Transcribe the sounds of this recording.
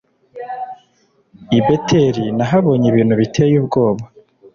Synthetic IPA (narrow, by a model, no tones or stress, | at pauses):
ibetʰeɾinaɦaβo̞ːɲiβiːn̤̥uβitʰe̞juːbɡo̞ːβa